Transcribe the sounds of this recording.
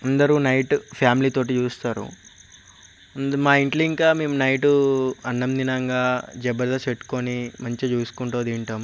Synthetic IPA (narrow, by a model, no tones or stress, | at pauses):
ɐnd̪ɐɾunɐjʈpʰjaːmiliːt̪o̞ːʈ̬iːt͡ʃuːst̪aːɾṵ | maːiɳʈluiŋkaːme̞ːmunɐjʈuɐnːɐmninɐŋɡaːd͡ʒɛbɐɾd̪ɐseʈːu̥konimɐɲt͡ʃit͡ʃuːsu̥kuɳʈoːd̪iːɳʈɐːm